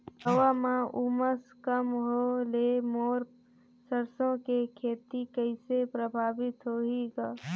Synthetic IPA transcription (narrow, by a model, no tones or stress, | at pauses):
ɦəwamãʔuməskəmɦoleːmoːɾ | səɾsõkekʰeːt̪ikəɪsepɾəbʱaːʋɪt̪ɦoɦiɡaː